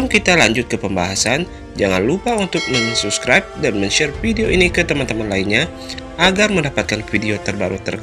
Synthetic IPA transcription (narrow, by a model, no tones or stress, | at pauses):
mkit̪alaɲd͡ʒʊt̪̚kəpəmbaɦasan | d͡ʒaŋa̰nlupaunt̪ʊk̚məŋsup̚skɾajp̚danməɲt͡ʃɛrfideoʔinikət̪əmant̪əmanlainɲa | ʔaɡarməndapat̪̚kanfideot̪ərbaɾut̪ərk